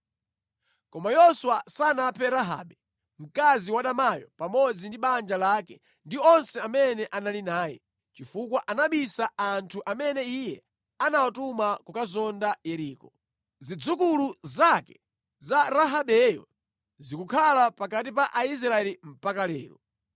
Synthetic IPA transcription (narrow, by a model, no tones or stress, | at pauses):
kɔmajɔsuwasanapʰɛɾaɦa̰ːɓɛ | m̩kaziwaɗamajɔ̰pamɔd͡zindiɓand͡ʒalakɛ | ndiɔnsɛamɛnɛʔanalinaːjɛ̰ | t͡ʃifukwaʔanaɓisaantʰuʔamɛnɛijɛ | anawatumakukazɔndajɛɾiːkɔ | zid͡zukuluzakɛ̥ | zaɾaɦaɓɛjɔ̰ | zikukʰalapakat̬ipaʔais̬ɾaɛlim̩pakalɛ̰ːɾɔ̰